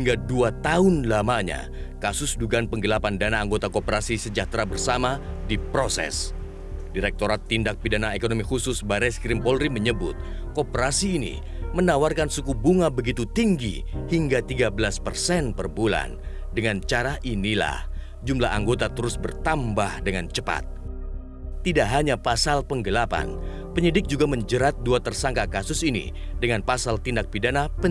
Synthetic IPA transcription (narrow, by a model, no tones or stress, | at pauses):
hiŋɡaduat̪aʊnlamaɲa̰ | kasʊsduɡaanpəŋɡəlapandanaːŋɡot̪akopəɾasisəd͡ʒat̪ɾabərsamadipɾosɛ̰s | diɾɛk̚t̪oɾat̪ːindak̚pidanaekonomihusʊsbaɾɛskɾimpɔlɾiməɲəbʊ̰t̪̚ | kopəɾasiːnḭ | mənawarkansukubuŋabəɡit̪ut̪iŋɡḭ | hiŋɡat̪iɡabəlaspərsɛnpərbula̰n | dəŋant͡ʃaɾaʔinila̰h | d͡ʒumla̰ɦaŋɡot̪at̪əɾʊsbərt̪ambahdəŋant͡ʃəpa̰t̪̚ | t̪idaʔɦaɲapasalpəŋɡəlapa̰n | pəɲədɪk̚d͡ʒuɡaməɲd͡ʒəɾat̪̚duat̪ərsaŋkakasʊsinḭdəŋanpasalt̪indak̚pidanapə